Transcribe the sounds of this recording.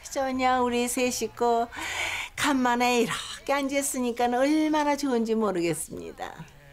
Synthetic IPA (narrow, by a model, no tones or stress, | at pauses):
t͡ɕʌɲauɾisʰeɕʰik͈ʰo | kamːaneiɾak͈eand͡ʑes͈ɯɲik͈anɯnɯɭmanat͡ɕoɯnd͡ʑimoɾɯɡe̞s͈ɯmɲḭda̰